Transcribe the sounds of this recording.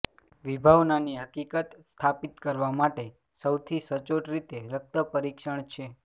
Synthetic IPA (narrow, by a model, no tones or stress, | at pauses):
ʋibʱaʋnaniɦəkikət̪st̪ʰapit̪kəɾʋamaʈe | səwt̪ʰisət͡ʃoʈɾit̪eɾək̚t̪əpəɾikʃəɳt͡ʃʰe